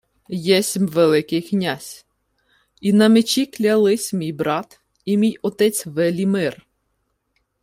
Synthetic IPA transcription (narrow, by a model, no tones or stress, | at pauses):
jɛsʲimʲʋelˠɪkɪjknʲasʲ | inɐmet͡ʃiklʲɐlˠɪsʲmʲijbɾɑt̪ | imʲijɔt̪ɛt͡sʲʋɛlʲimɪr